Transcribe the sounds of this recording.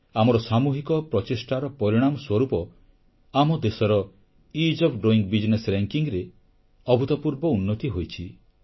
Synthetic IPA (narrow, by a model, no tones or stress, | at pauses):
amɔɾɔsamuɦikɔpɾɔt͡ʃisʈaɾɔpɔɾiɽ̃amɔswɔɾupɔ | amɔd̪esɔɾɔ | id͡ʒɔpʰɖoiŋɡbid͡ʒnesɾeŋkiŋɾe | ɔbʱut̪ɔpuɾbɔunːɔt̪iɦojt͡ʃʰi